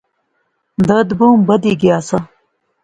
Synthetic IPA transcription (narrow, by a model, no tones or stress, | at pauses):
d̪ɐd̪buːmbɐd̪iɡijaːsɐ